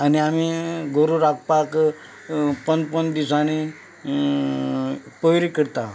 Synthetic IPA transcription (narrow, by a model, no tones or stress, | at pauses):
aniamiɡʱoɾuɾak̚pak | pənpənd̪isañi | pəɦɾikəɾt̪a